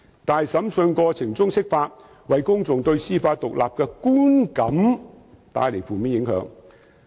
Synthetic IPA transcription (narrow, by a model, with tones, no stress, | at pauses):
t̪aː˨jsɐ˨˥msɵ˧nkɔː˧t͡sʰɪ˨˩ŋt͡sʊ˥ŋsɪ˥k̚faː˧˥t̚ | wɐ˨jkʊ˥ŋt͡sʊ˨ŋt̪ɵ˧ɥsiː˥faː˧t̚t̪ʊ˨k̚lʔa̰ː˨p̚kɛː˧kuː˥nkɐ˨˥m | t̪a̰ː˨˧jle˨˩jfuː˨miː˨˥njɪ˨˧˥ŋhœ̰ː˨˧˥ŋ